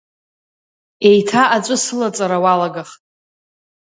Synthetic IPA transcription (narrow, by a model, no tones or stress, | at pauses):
e̞jtʰaʔat͡ʃʷʼʊsɨlat͡sʼaɾawalaɡaχtʼ